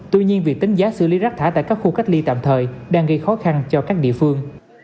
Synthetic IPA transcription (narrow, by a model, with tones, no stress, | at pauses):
t̪wi˧ɲi˧ənvi˨˩ək̚t̪i˨˦ŋ̟zaː˨˦sɨ̰˧˨li˨˦zaː˦˥k̪̚ʰaː˧˩t̪a̰ː˧˨jkaː˦˥k̚xu˧ka˦˥k̟̚li˧t̪a̰ː˧˨mt̪ʰəː˨˩jɗaː˧ŋɣə˧jxɔ˨˦xa˧nt͡ɕɔ˧kaː˦˥k̚ɗḭ˧˨əfɨ˧əŋ